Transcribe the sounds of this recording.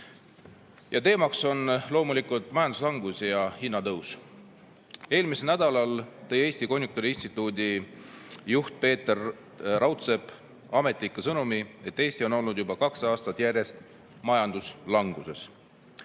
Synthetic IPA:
jɑt̪e̞ːmɑkso̞nlo̞ːmulikult̪ˑmɑjɑnd̪uslɑŋɡ̥usijɑhinːɑt̪ɤws | e̞ːlmiselnæd̪̥ɑlɑlt̪ɤ̞je̞ːsʲt̪iko̞nʲjuk̚t̪oɾiinst̪it̪ːˑuːd̪ʲi | juht̪̚pe̞ːt̪erː | ɑwt̪se̞b | ɑme̞t̪ˑlikːˑesɤnumie̞t̪ːe̞ːst̪io̞no̞lnud̪̥jubɑkɑksɑːst̪ɑt̪ːjærje̞st̪ | mɑjɑnd̪̥uslɑŋɡ̥use̞s

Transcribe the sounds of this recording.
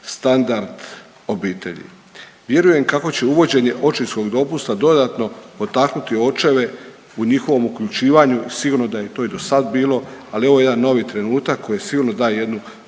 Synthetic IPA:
st̪and̪aɾd̪ | o̞biːt̪e̞ʎḭ | ʋje̞ɾuje̞mkako̞t͡ɕe̞uʋo̞d͡ʑe̞ɲe̞ʔo̞t͡ʃisko̞ɡd̪o̞pust̪ad̪o̞d̪at̪no̞po̞t̪aknut̪io̞t͡ʃe̞ʋe̞ | uɲixo̞ʋo̞mukʎut͡ʃiːʋaɲuisiɡuːɾno̞d̪aje̞t̪o̞ːid̪o̞sad̪biːlo̞alio̞ʋojed̪anːo̞ʋit̪ɾe̞nuːt̪akʰːo̞jesiɡuɾno̞d̪aːjeje̞d̪nu

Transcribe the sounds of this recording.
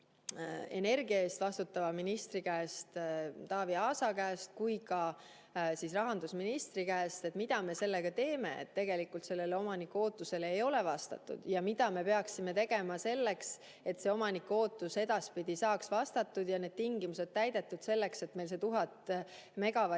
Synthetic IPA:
e̞ne̞rɡiɑe̞ːst̪vɑst̪ut̪ːɑvɑminist̪rikæːst̪t̪ɑːviɑːsɑkæːst̪̚kujkɑ | sisrɑɦɑnd̪̥usminist̪rikæest̪et̪mid̪ɑme̞se̞lːe̞ɡ̥ɑt̪e̞ːme̞ḛt̪ːe̞ɡe̞likult̪se̞lːe̞leo̞mɑnikːˑo̞ːt̪ːˑuse̞leejo̞le̞vɑst̪ɑ̰t̪ˑːṵd̪̥jɑmid̪ɑme̞pe̞ɑksime̞t̪e̞ɡ̥e̞mɑse̞lːe̞ks | e̞t̪seo̞mɑnikːo̞ːt̪ːˑuse̞d̪̥ɑspid̪̥isɑːksvɑst̪ɑt̪ːˑud̪̥jɑne̞ːd̥̪̚t̪iŋɡimuse̞d̪̚t̪æjd̪̥e̞t̪ːˑud̪̥se̞lːe̞kse̞t̪mejlse̞t̪uɦɑt̪me̞ɡ̥ɑvɑ

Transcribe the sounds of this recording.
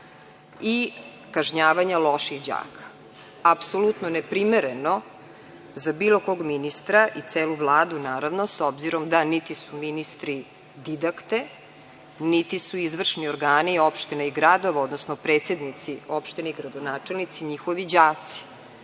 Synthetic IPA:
i | kaʒɲaːʋaɲalˠo̞ʃixd͡ʑa̰ːkʰḁ | apsolut̪nonepɾimeɾeno̞ | zabiːlˠo̞ko̞ɡminist̪ɾaʔit̪seːluʋlˠaːd̪unaːɾaʋnosobziɾo̞md̪anit̪isuminist̪ɾi | d̪id̪akt̪e̞ | nit̪isuizʋr̩ʃnioɾɡaːnio̞pʃt̪inaiɡɾad̪o̞ʋao̞d̪nosnopɾeːt̪sed̪nit̪sio̞pʃt̪ineiɡɾad̪onaːt͡ʂelnit̪siɲixoʋid͡ʑaːt̪si̥

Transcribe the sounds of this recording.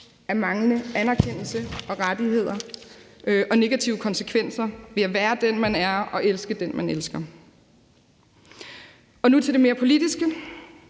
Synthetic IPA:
æɐmɑ̈ŋlənəænæɐkʰen̰l̩səɒ̽ʁad̥ihe̝ð̞̰ˠɐ | ʔɒ̽ne̝ɡ̥æt͡sʰiʊəkʰɒ̽nsəkʰʋen̰sɐʋe̝æʋæːɐd̥enmænæɐɒ̽ʔelsɡ̥əd̥enmʔænelsɡ̥ɐ | ɒ̽nut͡sʰe̝ld̥eme̝ːɐpʰo̝lid̥isɡ̥ə

